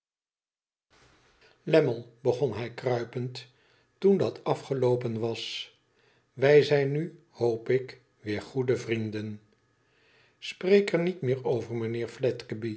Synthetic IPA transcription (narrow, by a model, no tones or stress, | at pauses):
lɛməlˠbəχɔnɦɛjkrœɥpənt | tundɑtɑfχəlowpənʋɑs | ʋɛjzɛjny | howpɪk | ʋɪːɹχudəvrindən | sprejkɛɹnitmɪːɹowvəɹmənɪːɹflɛtkəbi